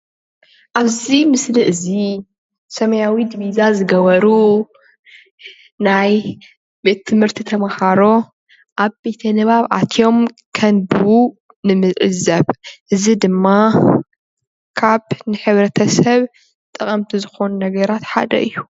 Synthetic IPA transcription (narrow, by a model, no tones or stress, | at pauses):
ʔaβzimɨsliʔɨzi | sɐmɐjawid̪iβizazɨɡɐβɐɾu | naj | be̞t̪ʰːɨmhɨɾt̪ʰit̪ʰɐmɐhaɾo̞ | ʔaβbe̞t̪ʰɐnɨβaβʔa̰t̪ʰjo̞m | kʰɐnbɨu | nɨmɨzʕɨ̰zɐβʔɨzid̪ɨmːa | kʰaβnɨħɨβɾɐt̪ʰɐsɐβ | t̪ʼɨkʼɐmt̪ʰizɨxo̞nunɐɡɐɾat̪ħa̰d̪ɐ̰ʔɨjːu